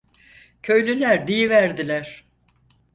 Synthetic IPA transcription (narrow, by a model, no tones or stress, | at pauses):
cʰø̞jlʲylʲæɾd̪ijivæɾd̪ilʲæɾ̥